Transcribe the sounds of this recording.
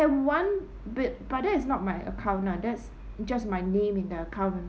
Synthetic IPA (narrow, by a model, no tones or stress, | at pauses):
ɛwãn | bɪtb̥at̚dɛtɪsnɔt̚majʔə̰kʰãʊ̃nnãdɛts | d͡ʒasmaɪnẽmɪ̃ndəəkʰavə̃n